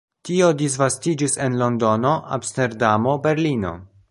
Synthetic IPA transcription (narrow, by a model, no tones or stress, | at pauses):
tio̞dis̬vastid͡ʒisenlo̞ndo̞no̞a̰mste̞ɾdamo̞be̞ɾlino̞̰